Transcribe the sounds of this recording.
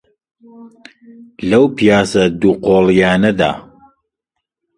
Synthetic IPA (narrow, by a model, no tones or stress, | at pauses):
lɐwpijaːsɐd̪uːqʰoːljaːnɐd̪a̰ː